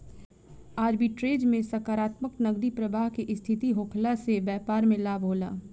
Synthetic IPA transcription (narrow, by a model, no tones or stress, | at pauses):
aːd͡ʒbʱiʈɾeːd͡ʒmẽsɐkaːɾaːt̪məknɐɡɾipɾɐbaːɦkeʔɪst̪ʰɪt̪iɦoːkʰlasebɛːpaːɾmẽlaːbʱoːla̰ː